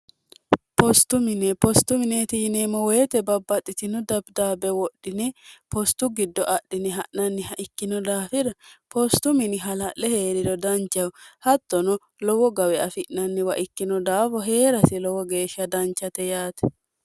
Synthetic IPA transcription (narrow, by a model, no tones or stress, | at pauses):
pɔst̪ʊmɪnɛpɔst̪ʊmɪnet̪ɪjneːmːɔweːt̪ɛbɐbːɐt̪ʼːɪt̪ɪnɔd̪ɐbd̪aːbɛwɔɗːɪnɛpʰɔst̪ʊɡɪd̪ːɔʔɐʔːɪnɪɦɐʔnɐnːɪhɐʔɪkːɪnɔd̪aːfɪd̪ɐpʰɔst̪ʊmɪnɪɦɐlɐʔːɛhe̞ːɾɪd̪ɔd̪ɐnt͡ʃːɐwhɐt̪ːɔnɔ | lɔwɔɡɐwɛɐfɪʔnɐnːɪwɐʔɪkːɪnɔd̪aːfɔɦe̞ːɾɐsɪlɔwɔɡe̞ːʃːɐd̪ɐnt͡ʃːɐt̪ɛjaːt̪ɛ̥